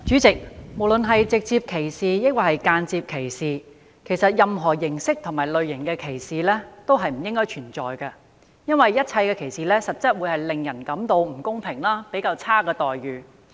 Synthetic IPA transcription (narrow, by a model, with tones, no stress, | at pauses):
t͡ʃyː˨˥t͡sɪ˨k̚mo˨˩wlɵ˨nɦɐ˨jt͡sɪ˨k̚t͡siː˧p̚kʰe˨˩jsiː˨jɪ˥kaː˧˩hɐ˨˩jkaː˧nt͡siː˧p̚kʰe˨˩jsiː˨˩ | kʰe˨˩jsɐ˨t̚jɐ˨mɦɔː˨˩jɪ˨˩ŋsɪ˥k̚t̪ʰʊ˨˩ŋmaː˨˩jlɵ˨˧ɥjɪ˨˩ŋkɛː˧kʰe˨˩jsiː˨lɛː˥t̪o˥wɦɐ˨jm̩˨˩jɪ˥ŋkɔː˥jt͡ʃʰyː˨˩nt͡sɔː˨jkɐ˧ | jɐ˥nwɐ˨jːɐ˥t̚t͡sʰɐ˧jkɛː˧kʰe˨˩jsiː˨lɛː˥sɐ˨t̚t͡sɐ˥t̚wu˨˧jhɐ˨jlɪ˨˩ŋjɐ˨˩nkɐ˨˥mt̪o˧wm̩˨˩kʊ˥ŋpʰɪ˨˩ŋlaː˥pe˨˥jkaː˧wt͡sʰaː˥kɛː˧t̪ɔː˨˩jɥyː˨